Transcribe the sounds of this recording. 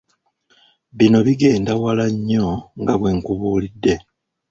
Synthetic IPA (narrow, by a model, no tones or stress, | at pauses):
βino̞βiɡe̞ːndawalaɲːo̞ŋɡaβweːŋkuβuːlidːe̞